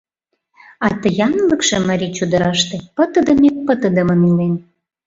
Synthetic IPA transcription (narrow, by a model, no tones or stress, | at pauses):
ɑt̪ə̆jɑnlə̆kʃĕmɑɾʲit͡ɕud̪ə̆ɾɑʃt̪ĕpə̆t̪ə̆d̪ə̆mek̚pə̆t̪ə̆d̪ə̆mə̆nilen